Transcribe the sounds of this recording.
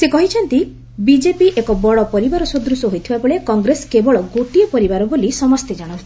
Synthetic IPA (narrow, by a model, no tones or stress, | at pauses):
sekɔɦit͡ʃʰɔnt̪i | bid͡ʒepiʔekɔbɔɭɔpɔɾibaɾɔsud̪ɾusɔɦojt̪ʰibabɔɭekɔŋɡɾeskebɔɭɔɡoʈiɔpɔɾibaɾɔbolisɔmɔst̪ʰed͡ʒaɽ̃ɔ